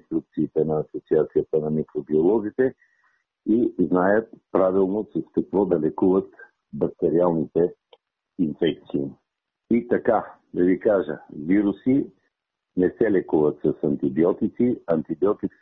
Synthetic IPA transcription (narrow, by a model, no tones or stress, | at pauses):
st̪ɾuk̚t̪siːt̪ɛnɐːsot̪siat̪sijət̪ənɐmikɾobiolˠɔzit̪ɛ | iznajət̪̚pɾavilˠnosɐskɐkvɔd̪ɐlɛkuvət̪ | bɐk̚t̪ɛɾialˠnit̪ɛ | infɛk̚t̪siː | it̪ɐka | d̪ɐvikaʒəviɾusi | nɛsɛlɛkuvət̪sɐsɐnt̪ibiɔt̪it̪siɐnt̪ibiɔt̪it̪